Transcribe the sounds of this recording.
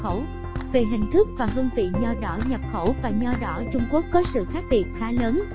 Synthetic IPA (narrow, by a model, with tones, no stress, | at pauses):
xə˧˩w | ve˨˩ɦï˨˩ŋ̟t̪ʰɨ˦˥k̚vaː˨˩ɦɨ˧nvḭ˧˨ɲɔ˧ɗɔ̰˧˩ɲə˨˩p̚xə˧˩wvaː˨˩ɲɔ˧ɗɔ̰˧˩˦t͡ɕʊ˧ŋ͡mku˦˥əkːɔ˨˦sɨ̰˧˨xaː˦˥k̚ɓi˨˩ət̚xaː˨˦ləː˨˦n